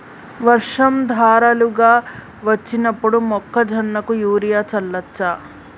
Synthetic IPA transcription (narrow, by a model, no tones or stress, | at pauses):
ʋɐɾʂɐmd̪ʱaːɾɐluɡaː | ʋɐt͡ʃːinɐpːuɽumɔkːɐd͡ʒʱɐnːɐkujuːɾijaːt͡ʃɐlːɐt͡ʃːa